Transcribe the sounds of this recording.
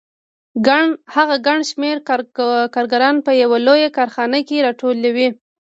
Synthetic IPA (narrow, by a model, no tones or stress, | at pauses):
ɡahaɣaɡaɳʃmeɾkɑɾɡaɾɑnpəjawalojakɑɾxɑnəkeɾɑʈolawi